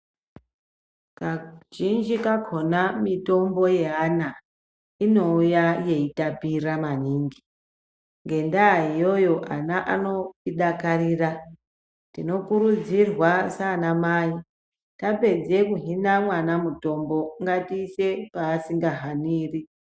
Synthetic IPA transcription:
kaʒind͡ʒikakʰo̞namito̞mbo̞je̞ana | ino̞ujaje̞itapiramaniːŋɡi | ŋɡe̞ndaijo̞jo̞ʔa̰naʔano̞piɗakariːra | tino̞kuɾud͡zirwasanamaːi | tape̞d͡ze̞kuɦinamwanamuto̞mbo̞ŋɡatiːse̞paːsiŋɡaɦaniːri

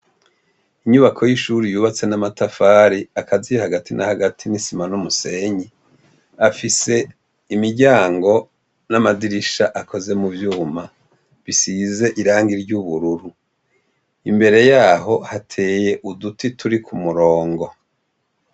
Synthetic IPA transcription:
iɲuβakʰo̞jiʃuɾijuːβat͡se̞namatafaːɾiakʰazihaɡatinʔa̰haɡatʰinisimanumuse̞ɲi | afise̞ | imiɾɟaːŋɡo̞ | namadiɾiʃaʔako̞ze̞muvjuːma | βisize̞ʔiɾaːŋɡiɾɟuβuɾuɾu | imbe̞ɾe̞jaːɦo̞hatʰe̞ːje̞ʔudutitʰuɾikʰumuɾo̞ːŋɡo̞

